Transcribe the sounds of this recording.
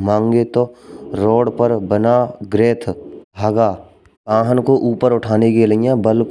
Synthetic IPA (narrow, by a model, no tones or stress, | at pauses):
mãːŋɡet̪oɾoːɽpəɾbənaɡɾeːt̪ʰɦaːɡaː | ãːɦənkoʔuːpəɾʊʈʰaːnekeləjãbəlk